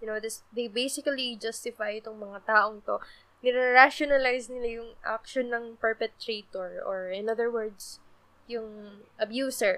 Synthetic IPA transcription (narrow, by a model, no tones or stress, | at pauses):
jʊnowd̪ɪsd̪ejbejsɪkɐlid͡ʒɐst̪ɪfajɪt̪oŋmɐŋat̪aːʔoŋt̪o̞ | nɪɾɛɾaʃonɐlajsnɪlajʊŋʔa̰kʃonːɐŋpɛɹpɛt̪ːɾeːt̪ɔɹɔɹɪ̃nɐðəɹwɛɹd̪s | jʊŋʔɐbjuːsɛɹ